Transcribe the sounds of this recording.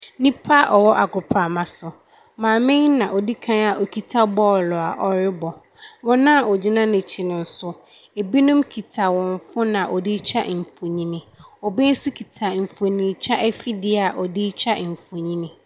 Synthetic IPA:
nĩ˦pʰa˦ʔɔ˨wɔ˦ʔa˨ɡʊ˨pʰa˨mã˨sʊ˨ | mãː˨mɪ̃˦n˦nã˨ʔɔ˨di˦kʰã˦na˨ʔo˨kʰi˨tʰa˦bɔ˦˨lɔ˨a˨ʔɔ˨ɾɪ˦bɔ˨ | wɔ̃˦nã˦˨ʔɔ˨d͡ʑi˦nã˦nɪ̃˨t͡ɕʰɪ˨nʊ̃˨n̩˨˦sʊ˦ | e˨bi˦nʊ̃˦mkʰi˨tʰa˨wɔ̃˨ɱ˨fʊ˦nã˨ʔɔ˨di˦t͡ɕʰa̰˦ʔm̩˨fo˨ɲĩ˦nɪ̃˨ɔ˨be˦n̩˦sʊ˦kʰi˨tʰa˨m̩˨fo˨nĩ˨t͡ɕʰa˦ʔɛ˦fi˦dɪ˦a˨ʔɔ˨di˦t͡ɕʰa˦˨m̩˨fo˨ɲĩ˦nɪ̃˨

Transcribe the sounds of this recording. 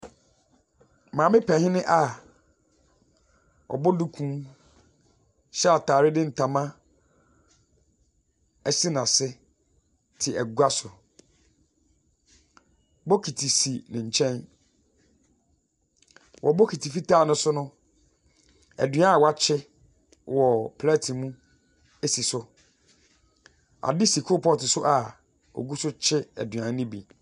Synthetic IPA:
mãː˨mɪ̃˦pʰɛ̃˨hɪ̃˦nɪ̃˦ʔa˨ | ɔ̰˨bɔ˦du˦kʰũ˦m | ɕɛ˦a˨tʰaː˨ɾɪ˦dɪ̃˦n̩˨tʰã˨mã˦ | ɛ˨si˦nã˨sɪ˦ | tʰɪ˨æ˨ɡu˦a˦sʊ˨ | bɔ˦kʰi˨tʰi˨si˨nɪ̃˨ɲ̩˨t͡ɕʰɛ̃˦n | wʔɔ̰˨bɔ˦kʰi˨tʰi˨fi˦tʰaː˦˨nʊ̃˦sʊ˦nʊ̃˦ | æ̰˨dɥã˦˨wa˦t͡ɕʰɪ˦ | wɔ˨pʰlɛ˦tʰi˨mũ˦ | e˦si˨sʊ˦ | a̰˨dɪ˦si˨kʰʊ˦˨pʰɔ˦tɪ˨sʊ˦ʔa˨ | ɔ̰˨ɡu˦sʊ˦t͡ɕʰɪ˦æ̰˨dɥã˨˦nɪ̃˦bḭ˨

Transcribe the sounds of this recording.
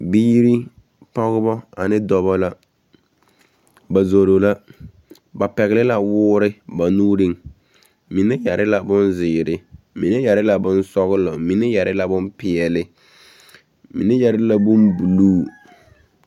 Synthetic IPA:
biː˦ɾi˦ | pɔ˦ɣɪ˦bɔ˦a̰˨nɪ˦dɔ˨βɔ˦la˦ | ba˨zo˨ɾo˨la˦ | ba˨pɛ˨ɣɪ˨lɪ˦la˨wʊː˦ɾɪ˦ba˨nuː˦ɾɪ˦ŋ | mi˨nɛ˦ja˨ɾɪ˦la˦bʊ˦nzɪː˨ɾɪ˦ | mi˨nɛ˦ja˨ɾɪ˦la˨bʊ˦nsɔ˦ɣɪ˦lɔ˨mi˨nɛ˦ja˨ɾɪ˦la˨bʊ˦npɪ˨ɛ˨lɪ˦ | mḭ˨nɛ˦ja˨ɾɪ˦la˨bʊ˦nbu˨luː˦˨

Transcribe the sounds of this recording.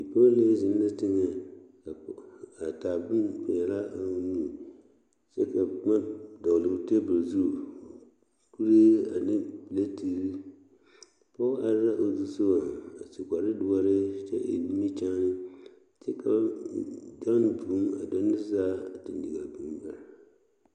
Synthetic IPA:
i˨po˦le˦zɪ˨nː˦a˦tɪ˦ŋɛ˨ka˨a˨ta˨bɨ˦mkʊ˨jɛ˨la˦a˦nu˦˨ | t͡ʃɛ˦ka˨ma˦dɔ˨ɣlɨ˨te˦bʊ˨ɾzu˦˨ | ku˦ɾe˦a̰˨nɪ˦˨le˦ti˦ɾi˦ | pɔ˦a˨ɾɾa˦ʔo˨zu˦so˦a˨a˨t͡ʃi˨kʷa˨ɾɪ˦dʊ˦ɔ˦ɾɪ˦t͡ʃɛ̰˦ʔḛ˨ni˦mi˦t͡ʃa˦nɪ˦ | t͡ʃɛ˦ka˦d͡ʒɔ˦n˨bu˨˦ma̰˨dɔ˦nɪ˦zaː˦˨ti˨n˨di˨ɡa˨bu˦m˦ba˨ɾ

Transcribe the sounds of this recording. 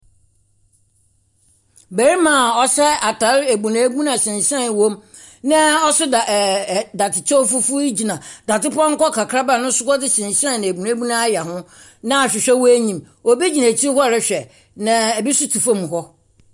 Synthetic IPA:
be˨ɾi˦mã˨ɔ˦sɛ˦a˨tʰa˨˦ɾe˨bũ˨nã˨˦ɡu˦nã˨sɪ̃˨sɛ̃˦˨n˨wõ˦m | nã˦ɔ˦sʊ˦da˨da˨tʰɪ˨t͡ɕʰɔ˦fu˦fu˦i˦d͡ʑi˨nã˨da˨tɪ˦pɔ̃˦ŋ̩˦kɔ˦kʰa˨kʰɾa˦ba˦˨nʊ̃˦sʊ˦kɔ˦dɪ˦sɪ̃˨n˨sɛ̃˦n˨nɪ̃˨bu˨nã˨˦bu˦nã˦a˦ja˨ɦʊ̃˦ | nã˦a˨ɕᶣɪ˨ɕᶣɛ˦wɔ˦e˦ɲĩ˨m | o˨bi˦d͡ʑi˨nã˨tʰi˦ɦɔ˦˨ɾɪ˦ɕᶣɛ˨ | nã˨ɛ˨bi˦sʊ˦tʰu˨fa˦m˨ɦɔ˦

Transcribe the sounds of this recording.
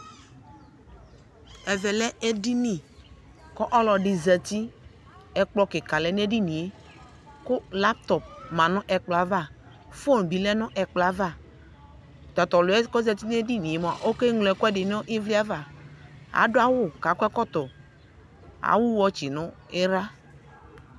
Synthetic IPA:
ɛ˨vɛ˨lɛ˦e˦di˦nĩ˦˨ | kɔ˦ʔɔ˦lɔ˨ɖi˨zɛ˨t̪i˦ | ɛ˨k͡plɔ˦ke˨ka˨lɛ˨ne˦ɖi˦nĩ˨e˦ | kʊ˦la˦p̚t̪ɔ˨p̚mã˨nɔ̃˦ʔɛ˨k͡pla˨va˦˨ | fo˦n˨bi˨lɛ˦nɔ̃˦ʔɛ˨k͡pla˨˦va˦˨ | t̪ɔ˨t̪ɔ˨lo˨˦ɛ˦kɔ˦zɛ˨t̪i˦ne˦di˦nĩ˨e˨m˨a˨ʔo˦ke˦ŋlo˨ɛ˨˦kɛ˦ɖɪ˨nɔ̃˦ʔĩ˦vli˦a˦va˨ | a̰˨˦ɖo˦a˦wʊ˦˨ka˨kɛ˦kɔ˦t̪ɔ˨ | a̰˨wu˦wɔ˦t͡ʃi˨nɔ̃˦ | e˦ɾa˦

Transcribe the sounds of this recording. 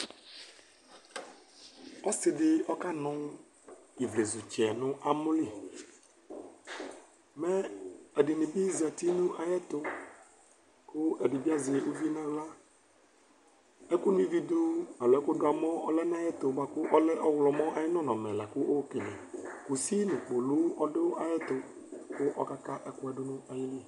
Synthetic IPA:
ɔ˦sɪ˨dɪ˨ɔ˦ka˦nʊ̃˦ | i˨vle˨zʊ˨t͡ʃɛ˨nʊ̃˦ʔa˦mʊ˦lɪ˦˨ | mɛ˦ɛ˨dɪ˨nɪ̃˨bi˦za˨ti˦nũ˦ʔa˨jɛ˦t̪ʊ˨ | kʊ˦ɛ˨dɪ˨bi˦a˦zɪ˨u˦vi˦nã˦la˦ | ɛ˦kʊ˦nĩ˦vi˦d̪u˦na˨lɔ˨ɛ˦kʊ˦dʊ˦a˨mɔ̃˦ɔ˦lɛ˦n˦ã˦jɛ˦t̪ʊ˨ba˨kʊ˦ʔɔ˦lɛ˦ʔɔ˦wlɔ˨mɔ̃˦ʔa˨jɪ˦nɔ̃˦nɔ̃˨mɛ˨la˨kʊ˦ʔo˦kɪ˨nɛ̰̃˨ku˨si˦nɪ̃˨k͡po˨lʊ˦ɔ˦ɖɪ˦ʔa˨jɛ˦t̪ʊ˨ | kʊ˦ʔɔ˦ka˦ka˦ʔɛ˦kʊ˦ɛ˦ɖʊ˦nʊ̃˦a˨jɪ˦li˦˨

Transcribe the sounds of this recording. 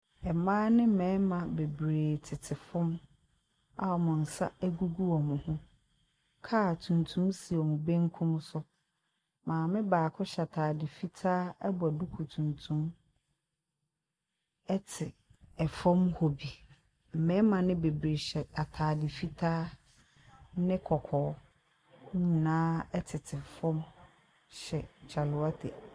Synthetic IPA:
ɛ˨mãː˦nɪ̃˦m̩˦˨mɛ̃˨˦mã˨be˨bɾeː˨tʰɪ˨tʰɪ˨fʊ̃˦m | a˦ɔ˨mʊ̃˨n̩˨sa̰˦æ˦ɡu˦ɡu˦ɔ˨mʊ̃˨hʊ̃˦ | kʰa˦˨tʰũ˨ntʰũ˦msi˨ɔ˨mʊ̃˨bẽ˦ŋ˦kʰʊ̃˦msʊ˦ | mãː˨mɪ̃˦baː˨kʰʊ˦ɕa˨tʰaː˨dɪ˨fi˦tʰaː˦ɛ˦bɔ˨æ˨du˦kʰu˨tʰũ˨ntʰũ˦m | ɛ˦tʰɪ˨ɛ˨fɔ̃˦mho˨bi˨ | m̩˨mɛ̃˨˦mã˨nɪ̃˦be˨bɾe˨ɕɛ˨a˨tʰaː˨dɪ˨fi˦tʰaː˦ | nɪ̃˦kʰɔ˨kʰɔː˨˦ | ɲĩ˨nãː˦ɛ˦tʰɪ˨tʰɪ˨fɔ̃˦m | ɕɛ˨t͡ɕʰa˨lʊ˨a˦tʰɛ˨

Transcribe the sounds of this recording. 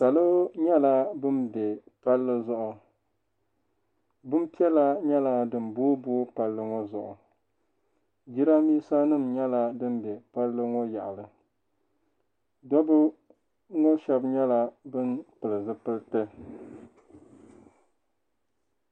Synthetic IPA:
ta˨lɨ˦ɲɛ˦la˦bɨ˦nbe˨pa˦lːɨ˦zʊ˦ʔʊ˨ | bɨ˦m˦pi˦ɛ˦la˦ɲɛ˦la˦dɨ˨mbʊː˦bʊː˦pa˨lːɨ˦ŋɔ˦zʊ˨ʔʊ˨ | d͡ʒi˦ɾa˦miː˦sa˦nɨ˦˨mɲɛ˦la˦dɨ˦nbe˨pa˦lːɨ˦ŋɔ˦ja̰˨ʔa˨lɨ˨ | dɔ˦bʊ˦ | ŋɔ˦ʃɛ˦bɲɛ˦la˦bɨ˦npɨ˨lɨ˨zɨ˦pɨ˦ltɨ˦

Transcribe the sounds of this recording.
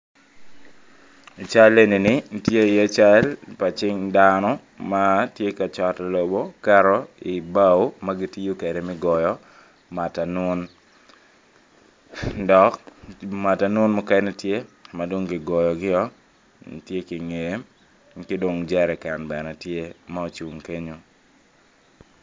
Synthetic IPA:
t͡ʃa˦le˦ni˨nɪ˨˦ntje˦˨je˦t͡ʃa˦lpa˨t͡ʃɪ˦ŋdanɔ˦ | ma˦tje˦ka˨t͡ʃa˨tlo˨bo˦ka˦ɾɔ˦i˨ba˦wma˦ɡɪ˦ti˦jo˦ke˨de˨mɪ˦ɡɔ˨jɔ˨ | ma˨ta˨nwʊ˦n | dɔ˨kma˨ta˨nʊ˦nmɔ˦kɛ˦nɛ˦tje˦ma˨do˦ŋɡɪ˨ɡɔ˨jɔ˨ɡɪ˦ɔ˦ | ntje˦kɪ˨ŋe˨˦ | kɪ˦do˨ŋd͡ʒɛ˦ɾɛ˨ka˨nbɛ˨nɛ˨tje˦ma˦o˨t͡ʃu˨ŋke˦ɲo˦

